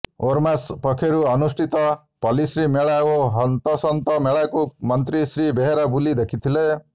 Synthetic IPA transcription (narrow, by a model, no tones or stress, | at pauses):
oɾmaspɔkʰeɾuɐnusʈʰit̪ɔ | pɔlisɾimeɭajoɦʌnt̪ɔsɔnt̪ɔmeɭajkumʌnt̪ɾisɾibeɦeɾabulid̪ekʰit̪ʰile